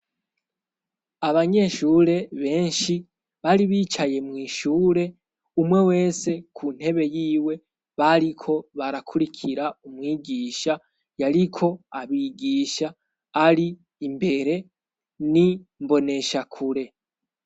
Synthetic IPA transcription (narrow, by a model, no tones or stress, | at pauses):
aβaɲe̞ʃuːɾe̞βe̞ːnʃi | βaɾiβiːt͡ʃaje̞mwiːʃuːɾe̞ | umwe̞we̞ːse̞kʰun̥he̞βe̞jiːwe̞ | βaɾikʰo̞βaɾakʰuɾikʰiɾaumwiːɡiːʃa | jaɾikʰo̞aβiɡiːʃaː | ɾiː | mbe̞ɾe̞ | nimbo̞ne̞ʃakʰuɾe̞